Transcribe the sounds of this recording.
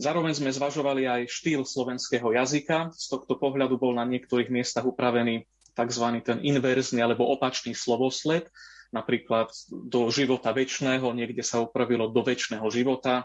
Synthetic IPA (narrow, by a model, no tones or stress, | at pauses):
zaːɾɔʋɛɲzmɛzʋaʒɔʋaliajʃt̪iːlslɔʋɛnskɛːɦɔjazikast̪ɔxt̪ɔpɔɦlʎad̪ubɔlnaɲɪɛk̚t̪ɔɾiːɣmɪɛst̪aɣupɾaʋɛniː | t̪aɡzʋanit̪ɛninʋɛɾznialɛbɔʔɔpat͡ʃniːslɔʋɔslɛt̪napɾiːklat̪d̪ɔʒiʋɔt̪aʋɛt͡ʃnɛːɦɔɲɪɛɡɟɛsaupɾaʋilɔd̪ɔʋɛt͡ʃnɛːɦɔʒiʋɔt̪a